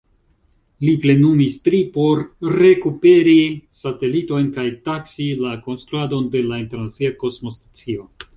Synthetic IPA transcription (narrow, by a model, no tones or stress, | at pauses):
liple̞numistɾipo̞ɾːe̞kupe̞ɾisate̞lito̞jnkajtaksilako̞nst̪ɾuado̞nde̞lainte̞ɾnat͡siako̞smo̞stḁt͡sio̞